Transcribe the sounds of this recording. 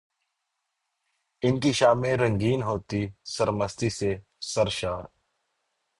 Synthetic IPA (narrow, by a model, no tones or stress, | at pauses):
ɪnkiːʃaːmẽɾə̃ŋɡiːnɦoːt̪iːsəɾməst̪iːseː | səɾʃaːɾ